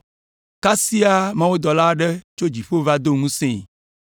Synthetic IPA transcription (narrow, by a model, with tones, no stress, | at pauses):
ka˦si˦a˦mã˦wo˦d̪ɔ˨la˦ɖɛ˦t͡ʃo˦d͡ʑi˨ɸo˦va˦d̪o˦ŋũ˦sẽ˦˨